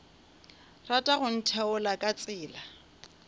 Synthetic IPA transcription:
ratʼaɣʊn̩tʰɛʊlakʼat͡sʼɪːla

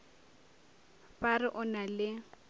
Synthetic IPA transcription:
pʼarɪʔʊnalɪ

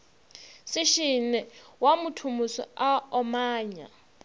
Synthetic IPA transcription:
sɪʃinɛwamʊtʰumusɔ̰aɔmaːɲa̰

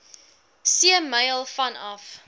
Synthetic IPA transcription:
siəmɐjlˠfɐnɐf

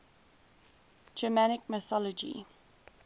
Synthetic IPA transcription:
d͡ʒəmanɪkmɪθɔlɔd͡ʒḭ

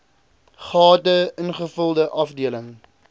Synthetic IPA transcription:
χɑːtəənχəfəlˠdəʔɐfdiələŋ

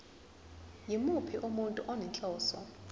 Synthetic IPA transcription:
jimupʰiʔumuntʼuʔɔnɛnt͡ɬʼɔːsɔ

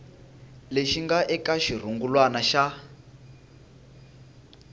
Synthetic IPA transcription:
leʃiŋɡaʔɛkaʃir̤uŋɡulwanaʃa

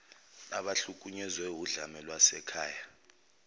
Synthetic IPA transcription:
aɓaɬuk̬ʼuɲɛzwɛwuɮamɛlwasɛkʰaːja

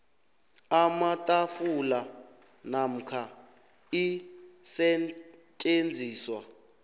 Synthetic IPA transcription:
amatʼafula | nam̩kʰa | isɛt͡ʃʼend͡zʱiːswa

